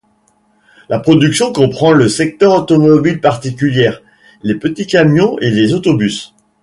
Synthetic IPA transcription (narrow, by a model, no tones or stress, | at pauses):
lʔapχɔd̪yksjɔ̃kɔ̃pχɑ̃ləsɛk̚t̪œʁot̪ɔmɔbilpaʁt̪ikʲyljɛːʁ | lepət̪ikʲamjɔ̃elezot̪ɔbys